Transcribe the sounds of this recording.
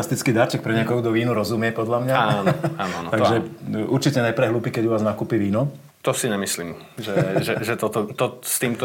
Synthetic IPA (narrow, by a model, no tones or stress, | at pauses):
ast̪it͡skiːd̪aɾt͡ʃɛk̚pɾɛɲɪakɔɦud̪ɔʋiːnuɾɔzumɪɛpɔd̪ʎamɲaanɔaːnɔant̪aɡʒɛʔuɾt͡ʃicɛnajpɾɛɦluːpiːkɛɟuʋaːznakuːpiʋiːnɔ | t̪ɔsiɲɛmisliːm | ʒɛʒɛʒɛt̪ɔt̪ɔt̪ɔst̪iːmt̪ɔ